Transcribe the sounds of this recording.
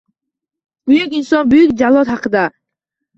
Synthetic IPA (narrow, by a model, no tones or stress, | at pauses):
b̥ʊjukʲinsɔnbujukʲd͡ʒalˠɔt̪haqʰɨd̪a